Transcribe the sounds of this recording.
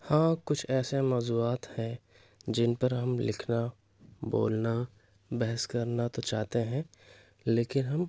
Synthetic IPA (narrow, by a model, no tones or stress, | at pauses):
hãːkʊt͡ʃʰɛːsemɔːzuaːt̪hɛ̃ | d͡ʒɪnpɐɾɦɐmlɪkʰna | bo̰ːlna | bɛɦəskɐɾnat̪ot͡ʃaːɦt̪eɦɛ̃ | leːkɪnɦɐm